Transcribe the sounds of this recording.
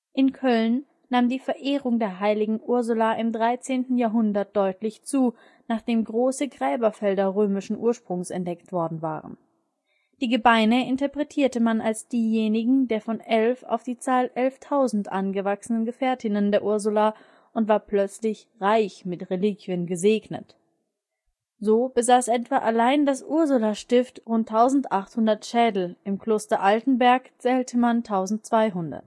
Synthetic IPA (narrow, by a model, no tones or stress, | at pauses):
ʔɪnkʰœlnː | aːmdiːfɛɐʔeːʁʊŋdeːɐɦaɪlɪɡŋ̩ʔʊɐzʊlaʔɪmdʁaɪt͡seːntn̩jaːɐɦʊndɐt̚d̥ɔʏtʰlɪçt͡suː | naːχd̥eːmɡʁoːsəɡʁɛːbɐfɛldɐʁøːmɪʃn̩ʔuːɐʃpʁ̥ʊŋsɛ̰ntd̥ɛktv̥ɔɐdn̩va̰ːʁə̰n | d̥iːɡəbaɪnəʔɪntɐpʁ̥ɛtʰiːɐtəmanalsd̥iːjeːnɪɡŋ̩deːɐfɔnʔɛlfa̰ʊfd̥iːt͡saːlʔɛlftʰaʊzn̩tʔanɡəvaksənənɡəfɛːɐtʰɪnəndeːɐʔʊɐzʊla | ʔʊntv̥aːɐplœt͡slɪçʁaɪçmɪtʁelikʰjənɡəzeːɡnə̰t | zoːbəzaːsʔɛtv̥aːʔalaɪndasʔʊɐzulaʃtɪftʁʊntʰːaʊzn̩tʔaχthʊndɐtʃɛːdl̩ɪmkl̥oːstɐʔaltn̩bɛɐkt͡sɛːltʰəmantʰaʊzn̩t̚t͡sv̥aɪɦʊndɐ̰t